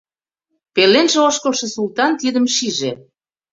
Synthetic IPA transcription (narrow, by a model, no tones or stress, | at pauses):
pelenʒĕoʃkə̆lʃɤ̆sult̪ɑnt̪id̪ə̆mʃiʒe